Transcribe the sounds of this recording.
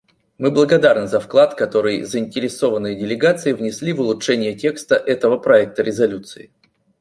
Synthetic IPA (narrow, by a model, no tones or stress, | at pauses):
mɨblˠəɡɐd̪arnɨzɐfklˠat̪kɐt̪o̞ɾɨjzəɪnʲtʲɪɾʲɪso̞vənːɨjədʲɪlʲɪɡat̪sɨɪvnʲɪsʲlʲivʊlˠʊtʂɛnʲɪjətʲe̞kst̪əʔɛt̪əvəpɾɐɛk̚t̪əɾʲɪzɐlʲut̪sɨɪ